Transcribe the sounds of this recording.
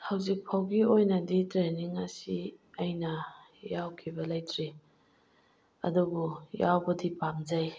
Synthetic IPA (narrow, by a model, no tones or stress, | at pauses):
hawzik̚pʰawɡiojnɐditɾeniŋɐsiɐjnɐ | jawkʰibɐlɐjtɾi | ɐ̰dubujawbɐdipamd͡ʒaj